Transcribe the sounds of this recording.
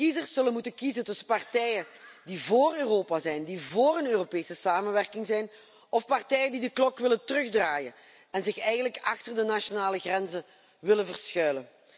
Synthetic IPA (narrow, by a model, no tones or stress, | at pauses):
kizərsːɵlənmutənkizəntɵsəpɑrtɛjədivoːrøːroːpazɛjndivoːrənøːropeːsəsaːmənʋɛrkɪŋzɛjn | ɔfpɑrtɛjədidəklɔkʋɪləntərɵɣdraːjən | ɛnzɪxɛjɣənləkɑxtərdənaʃonaːləɣrɛnzə | ʋɪlənvərsxœɥlən